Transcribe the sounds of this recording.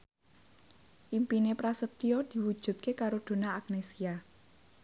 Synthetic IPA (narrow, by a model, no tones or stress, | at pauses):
ʔimpinepɾasət̪iɔd̪̥i̤wud̥ʒ̥ṳt̪̚kekaɾod̪̥o̤naːk̚nesia